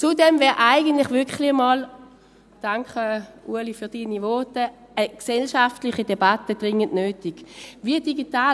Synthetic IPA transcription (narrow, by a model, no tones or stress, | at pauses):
t͡sudɛmvɛːɐʔaɪɡəntlɪχvʏkχlɪəmɑːl | d̥aŋkəʔṵəlifyːɐd̥iːnivɔtə | əksɛlʃaftlɪχidɛbatəd̥ʁɪŋəntnøːtiɡ̥vid̥iɡitaː